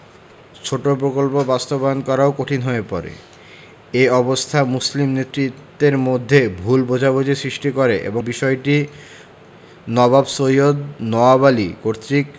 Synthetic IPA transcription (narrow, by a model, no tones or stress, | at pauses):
t͡ɕʰoʈopɾokolpobast̪obaonkɔɾaokoʈʰinɦoepɔɾḛ | eɔbost̪ʰamuslimnet̪ːɾit̪ːeɾmod̪ʱːebʱulbod͡ʑʱabod͡ʑisɾiʃʈikoɾeʔḛbobiʃɔeʈi | nɔbabsojod̪nɔabalikoɾt̪ɾik